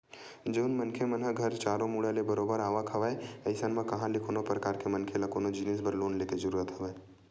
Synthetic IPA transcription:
d͡ʒəʊnmɐnkʰemənɦəɡʱɐɾt͡ʃaːɾõmuːɽalebɐɾoːbəɾaːʋakʰɐʋaːeɐɪsənməkɐɦãlɪkʰoːnopɾɐkaːɾkemɐnkʰelɐkoːnod͡ʒɪnesbəɾloːnleːked͡ʒɐɾuːɾət̪ɦɐʋaːe

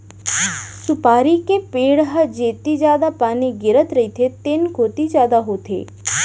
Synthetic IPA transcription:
sʊpaːɾikepeːɽɦəd͡ʒeːt̪izjaːd̪apaːniɡɪɾət̪ɾəɦit̪ʰet̪eːnkoːt̪id͡ʒjaːd̪aɦoːt̪ʰḛː

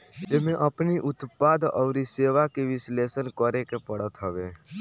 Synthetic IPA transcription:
ɪmẽʔəpniʔʊt̪paːd̪ɔʊɾiseːʋakeʋɪsleːsənkəɾekepəɽət̪ɦəʋeː

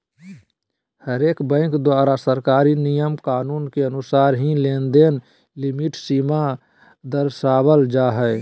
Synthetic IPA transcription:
həɾeːkbə̃ɪ̃ŋkd̪waːɾasəɾkaːɾinijəmkaːnuːnkeənʊsaːɾɦĩleːnd̪en | lɪmiʈsiːma | d̪əɾsaːbəld͡ʒaɦɛɪ

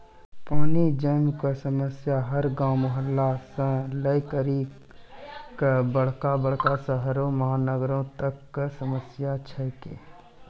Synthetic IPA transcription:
paːnid͡ʒəmkasəməsjaɦəɾɡãːmʊɦəlːasə̃ləikəɾi | kabəɽ̤kabəɽ̤kasəɦɾomɐɦaːnəɡɾõt̪əkːsəməsjat͡ʃʰɛkḛː

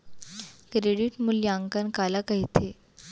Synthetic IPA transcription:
kɾeɽiʈmuljaŋkənkalakaɦit̪ʰe

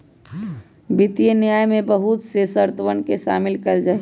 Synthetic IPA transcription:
bɪt̪ijenjaːjmẽbəɦut̪sesəɾt̪əʋənkeʃa̰ːmɪlkəɾd͡ʒaː

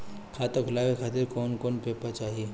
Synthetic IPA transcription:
kʰat̪əkʰʊlaʋekʰat̪iɾkɔːnkoːnpepat͡ʃaːɦie

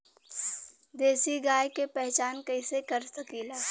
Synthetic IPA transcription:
d̪eːsiɡaːjkepɛɦt͡ʃaːnkɐɪsekɐɾsɐkiːlaː

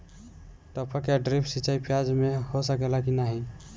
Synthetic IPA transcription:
ʈəpʰəkjaɖɾipʰsit͡ʃaipʰijad͡ʒmehosəkelakinaɦi

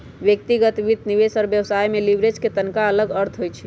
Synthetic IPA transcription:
bjək̚t̪iɡət̪ʋit̪niβesɔɾbjəwsajmelibɾed͡ʒket̪ənkaələɡəɾt̪ʰɦojt͡ʃʰi

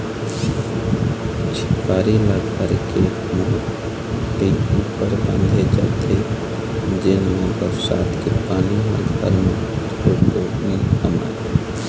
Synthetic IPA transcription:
t͡ʃʰɪ̥kaːɾilaɡʱaːɾke | mʊɦt̪ | iupəɾbə̃nd̪ʱed͡ʒa̰t̪e | d͡ʒɪnmẽbəsa̰ːt̪kepaːnila̰ɡʱa̰ɾme | t̪oːkoːniə̰ma̰

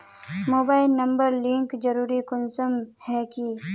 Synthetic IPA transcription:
moːbaːɪlnɐ̃mbəɾlɪ̃ŋkd͡ʒɐɾuːɾikʊnsəmhɛki

